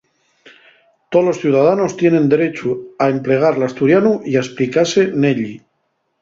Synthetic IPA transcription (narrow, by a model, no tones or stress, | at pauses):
t̪olo̞sθjuwðaðanost̪je̞nẽ̞nd̪eɾet͡ʃuaemple̞ɣ̞aɾlast̪uɾjanuiaesplikase̞neʎi